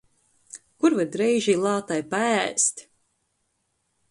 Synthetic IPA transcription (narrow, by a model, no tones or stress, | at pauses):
kuɾvad̪ɾɛjʒilˠɑːt̪ajpaæst̪ʲ